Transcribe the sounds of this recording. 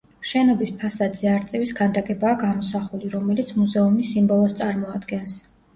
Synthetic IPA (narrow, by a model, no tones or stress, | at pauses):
ʃɛnɔbispʰasad̪zɛaɾt̪sʼɛvisɡand̪akʼɛbaːɡamɔsaχuliɾɔmɛlit̪sʰmuzɛumisimbɔlˠɔst̪sʼaɾmɔad̪ɡɛns